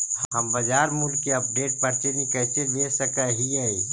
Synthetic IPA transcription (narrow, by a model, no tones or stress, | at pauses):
həmbəd͡ʒaːɾmʊlkːeəp̚ɖeːʈ̚paɾt̪enikəɦt̪ebesəkaɦiəi